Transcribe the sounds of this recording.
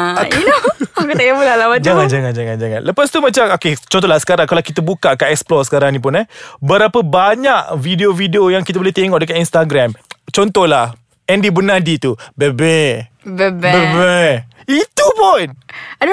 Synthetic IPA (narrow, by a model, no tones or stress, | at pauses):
inokət̪ajamulalamad͡ʒaŋãnd͡ʒaŋãnd͡ʒaŋãnd͡ʒaŋã̰nləpast̪umãt͡ʃamoket͡ʃɔ̃nt̪̬ɔhlahsə̥kaɾaŋkalakit̪abukaʔkaʔɛksplɔrsə̥kaɾaŋnĩp̬ʊnɛbəɾapəbaɲaʔvideovideojaŋkit̪abolɛht̪eŋɔʔdəkaninst̪aɡɾɛmt͡ʃɔnt̪ɔhlah | ɛ̃ndibənadit̪ubebɛbɛbbɛbɛ | it̪upʊna